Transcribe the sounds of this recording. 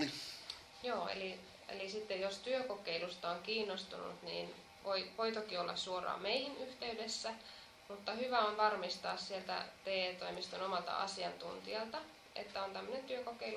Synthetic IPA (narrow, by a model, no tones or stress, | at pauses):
joːḛli | ḛlisit̪ːejjost̪yøko̞keilust̪ɑoŋkiːnːost̪unṵt̪nḭːn | ʋojʋo̞jt̪okiolːɑ̰ssuorɑ̰ːmeihinyht̪e̞yde̞sːæ | mut̪ːɑhyʋæonʋɑrmist̪ɑːssielt̪æ̰t̪eːt̪oimist̪onomɑlt̪ɑ̰ɑ̰siɑnt̪unt̪iɑlt̪ɑ | ḛt̪ːæont̪æmːønent̪yøkokeilu